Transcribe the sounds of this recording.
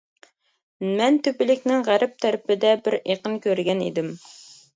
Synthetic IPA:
mænt̪ɵpɘ̆lɪ̆knɪŋʁæɾɪp̚t̪ʰæɾpɪd̪æbɪɾeqɤnkʲɵɾɡʲænḭd̪ɘm

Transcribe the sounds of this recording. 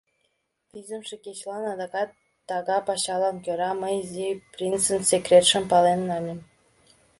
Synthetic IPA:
pʲizʲə̆mʃĕkʲet͡ɕlˠɑnɑd̪ɑkɑt̪ː | ɑɣɑpɑɕɑlˠɑnkʲøɾɑməjzʲiprʲinsənsʲekrʲet̪ʃə̆mpɑlenːɑnʲɘ̆m

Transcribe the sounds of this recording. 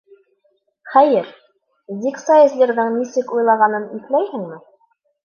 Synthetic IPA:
χæjɘɾ | ziksajɘ̆zlʲeɾðɤɴnisɘkujlˠɑʁɑnɤniθlæjhɘ̆ŋmɘ

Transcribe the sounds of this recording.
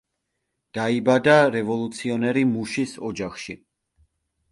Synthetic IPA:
d̪̥aibad̪aɾɛvɔlˠut̪sʰiɔnɛɾimuʃisɔd͡ʒaχʃi

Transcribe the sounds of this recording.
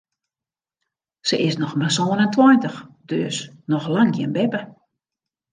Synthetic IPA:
səʔɪsnɔxmasoːənəntʰwɔjntəxd̥øsnɔxlaŋɡɪənbɛpə

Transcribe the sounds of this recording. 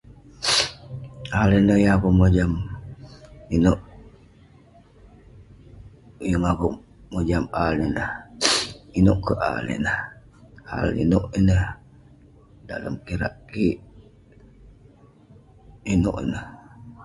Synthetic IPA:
alenəhjəakomod͡ʒam | inoʔ | jəŋako | mod͡ʒamalinəh | inoʔkəʔa̰lḛnəh | ha̰lḭnoʔinəh | dalə̰mkiɾa̰ʔkiʔ | ino̰ʔḭnəh

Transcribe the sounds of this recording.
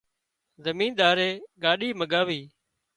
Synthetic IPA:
zəmĩːnɗ̪aːɾeːɠaːɗiːməɠaːʋiː

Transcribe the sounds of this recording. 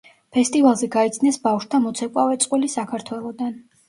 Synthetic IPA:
pʰɛst̪ʼivalˠzɛɡait̪sʰnɛsbafʃt̪ʰamɔt̪sʰɛkʼavɛt̪sʼqʼwilisakʰaɾt̪ʰwɛlˠɔd̪an

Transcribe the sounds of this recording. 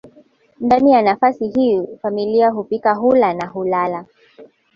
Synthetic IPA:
ndanijanafasiɦifamiliaɦupikaɦulanaɦulala

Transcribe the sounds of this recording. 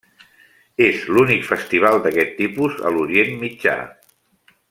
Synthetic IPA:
ezlunikfəst̪iβ̞alˠd̪əkɛt̪ːipuzə̰luɾienmid͡ʒa̰

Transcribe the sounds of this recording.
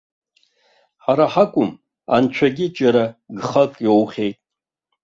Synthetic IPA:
ħaɾaħakʷʼʊm | a̰nt͡ʃʷʰaɡʲɪd͡ʒʼaɾaɡχakʼjowχʲejtʼ

